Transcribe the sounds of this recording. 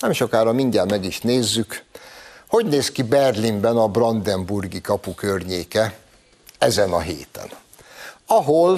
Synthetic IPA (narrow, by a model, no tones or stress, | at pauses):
nɛmʃo̞kaːɾɒmiɲɟaːmɛɡiʃneːzːyk | ho̞ɟneːskibɛrlimbɛnɒbrɒnd̪ɛmburɡikɒpukørɲeːkɛ | ɛzɛnɒɦḛːt̪ɛ̰n | ɒɦol